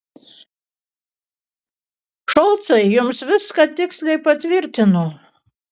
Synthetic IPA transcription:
ʃɔlˠt̪sɛjːumsvʲɨsːkat̪ʲːiksʲlʲɛjpat̪ʲvʲiɾʲt̪ʲɪnuː

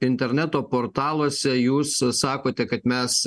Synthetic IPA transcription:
ɪnʲt̪ʲɛɾʲnʲæt̪oːpoːɾt̪ɑːlˠoːsʲɛjuːsːɑːkoːt̪ʲɛkɐt̪mʲɛs

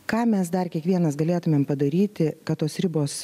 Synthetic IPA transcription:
kɑːmʲɛsd̪ɐrkʲiɛkʋʲiɛnɐsɡɐlʲeːt̪ʊmʲeːmpɐd̪ɐɾʲiːt̪ʲɪkɐt̪t̪oːsɾʲɪboːs

